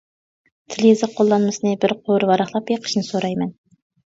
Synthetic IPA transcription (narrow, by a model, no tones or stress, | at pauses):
t̪ʰɪlzɪqʰolˠːɑnmɨsɨnɨbɪɾqʰoɾvɑɾɑχlˠɑpjeqʰə̥ʃnɨsoɾɑjmɛn